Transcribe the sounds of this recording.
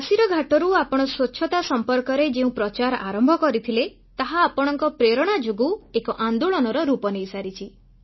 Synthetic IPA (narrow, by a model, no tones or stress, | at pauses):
asiɾɔɡʱaʈɔɾuapɔɽ̃ɔswoːt͡ʃʰɔt̪asɔmpɔɾkɔɾed͡ʒeũpɾɔt͡ʃaɾa̰ɾɔmbʱɔkɔɾit̪ʰile | t̪aɦaːpɔɽ̃ɔŋkɔpɾeɾɔɽ̃ad͡ʒoɡuekɔʔand̪uɭɔnɔɾɔɾupɔnejsaɾit͡ʃʰi